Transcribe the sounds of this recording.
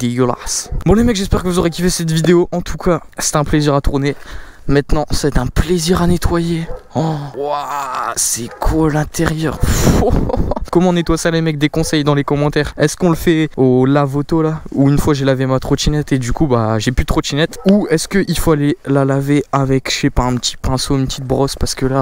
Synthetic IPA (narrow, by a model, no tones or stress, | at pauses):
d̪eɡəla̰sbɔ̃lemɛkʒɛspɛʁkəvuzoʁekʲifesɛt̪vid̪eoʔɑ̃t̪ʰukʰasɛ̥t̪ɛ̃pleziʁat̪uʁne | mɛ̃t̪nɑ̃sɛt̪ɛ̃pleziʁanet̪wajeɔwasɛkʰwalɛ̃t̪ʰɛʁjœːʁfokɔmɑ̃net̪wasalemɛk̚d̪ekɔ̃sɛjd̪ɑ̃lekɔmɑ̃t̪ɛːʁɛskɔ̃ləfɛolavot̪olauynfwaʒelavemat̪χoʃinɛt̪ed̪ykubaʒepyt̪χod̪ʃinɛt̪uɛskəʔilfoalelalaveavɛkʃepaɛ̃pt̪ʰi̥pɛ̃soynpət̪ʰit̪̚bʁɔspaʁsə̥kəla